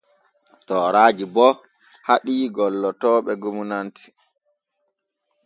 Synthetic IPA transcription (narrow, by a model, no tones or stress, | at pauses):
tɔːɾaːd͡ʒibɔ | haɗiːɡɔlːɔtɔːɓɛɡumunantʰi̥